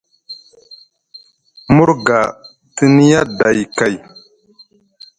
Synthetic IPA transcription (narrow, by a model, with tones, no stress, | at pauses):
mu˦ɾɡa˨ | ti˦ni˦ja˦da˨jka˨j